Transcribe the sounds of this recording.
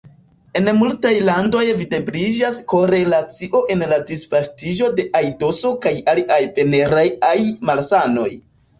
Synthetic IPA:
e̞nmultajlando̞jvide̞bɾid͡ʒasko̞ɾe̞lat͡siʔo̞ʔe̞nladisfastid͡ʒo̞de̞ʔajto̞so̞kajaliʔajpe̞ne̞ɾajajmalsano̞̰j

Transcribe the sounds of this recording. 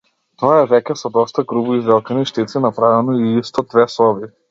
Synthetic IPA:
t̪ɔaɛvɛkʲɛsɔd̪ɔst̪aɡɾubuizvɛlˠkaniʃt̪it̪sinapɾavɛnɔiist̪ɔd̪vɛsɔbi

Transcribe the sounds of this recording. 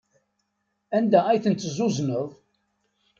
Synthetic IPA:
ænd̪æʁæjθənt̪zʊznəðˤ

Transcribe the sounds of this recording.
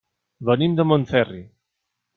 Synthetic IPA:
βənimd̪əmõnθɛri

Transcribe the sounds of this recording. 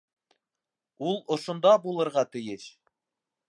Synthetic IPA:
ulˠŏʃŏnd̪ɑbulˠɤ̆ɾʁɑt̪ɘ̆jɘʃ

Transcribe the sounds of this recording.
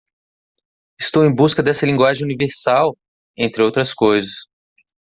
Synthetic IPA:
ɪst̪owẽj̃buskɐd̪ɛsɐlĩŋɡwaʒẽj̃univeɾsaw | ẽnt̪ɾɪowt̪ɾɐskojzɐs

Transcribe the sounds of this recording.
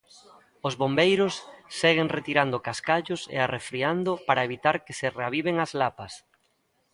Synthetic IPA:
ozβombejɾʊsːɛɣeŋret̪iɾand̪ʊkaskaʎʊsḛarefɾiand̪ʊpaɾaeβit̪aɾkɪsɪreaβiβeŋazlapɐs

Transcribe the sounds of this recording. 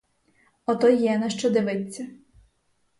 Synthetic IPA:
ɔt̪ɔjɛnɐʃt͡ʃɔd̪ɪʋɪt͡sʲːɐ

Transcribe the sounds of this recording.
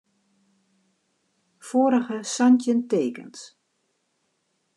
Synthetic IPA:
foːɾəɣəsantjənteːkə̰ns

